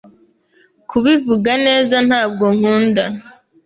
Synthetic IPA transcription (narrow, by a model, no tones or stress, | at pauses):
kuβivuɡane̞ːzan̥haːb̚ɡo̞ŋ̥uːnda